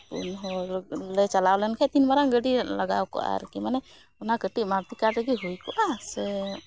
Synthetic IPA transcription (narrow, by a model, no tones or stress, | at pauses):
pṵnɦɔɾlɛt͡ʃalawlɛnkʰɛt̪inbaɾaŋɡəɖiləɡa̰wkɔ̰ʔa̰ɾkimanɛ | ɔnakəʈiʔmaɾt̪ikaʈɛɡiɦujkɔʔasɛ